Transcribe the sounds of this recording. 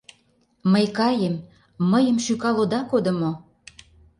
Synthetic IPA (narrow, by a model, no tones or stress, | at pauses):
məjkɑjəmː | əjə̆mʃykɑlod̪ɑkod̪ə̆mo